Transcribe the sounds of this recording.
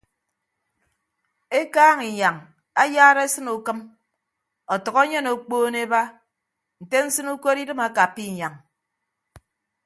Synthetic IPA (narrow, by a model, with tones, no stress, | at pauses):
e˦kaː˦ŋi˨ɲa˨ŋ | a˦jaː˦ɾe˦sɨ˦nu˨kɨ˦m | ɔ˨tɔ˨ɣɔ˦ɲe˦no˨k͡poː˦ne˦ba˦ | n̩˨te˦n̩˦sɨ˦nu˦ko˦ɾi˦dɨ˦ma˦ka˨pi˦˨ɲa˨ŋ